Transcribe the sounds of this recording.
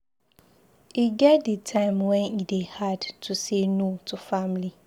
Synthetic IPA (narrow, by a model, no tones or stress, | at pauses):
iɡɛdːətʰãɪ̃mwɛ̃nidehadtʰusenũtʰufãmli